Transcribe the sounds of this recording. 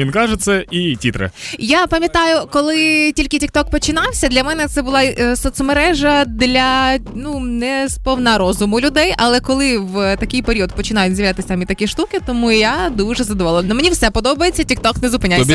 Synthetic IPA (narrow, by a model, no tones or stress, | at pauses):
ʋinkɑʒɛt̪sɛitʲit̪ɾḛjapɐmʲjɐt̪ɑjʊkɔlˠɪtʲilʲkɪtʲik̚t̪ɔk̚pɔt͡ʃɪnɑwsʲɐd̪lʲɐmɛnɛt̪sɛbʊlˠɑsɔt̪sɔmeɾɛʒɐd̪lʲɐnunɛspɔwnɐɾɔzʊmʊlʲʊd̪ɛjɐlˠɛkɔlˠɪʋt̪ɐkʲɪjpeɾʲiɔd̪̚pɔt͡ʃɪnajʊzʲjɐʋlʲat̪ɪsʲamʲit̪ɐkʲiʃt̪ukɪt̪ɔmuijad̪uʒɛzɐd̪ɔʋɔlˠɔʋʲnɔmenʲiwsɛpɔd̪ɔbɐjet͡sʲːɐtʲik̚t̪ɔknɛzʊpɪnʲajʲ